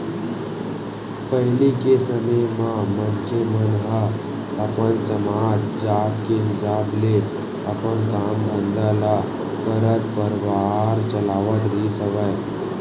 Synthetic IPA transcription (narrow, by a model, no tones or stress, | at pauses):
pəɦɪlikesəməjmãmənkʰjemənɦə | ɐpənsɐmaːtd͡ʒaːt̪keɦɪsaːble | ɐpənkaːmd̪ʱə̃nd̪ala | kəɾət̪pəɾʋaːɾt͡ʃɐlaːʋət̪ɾisəʋəj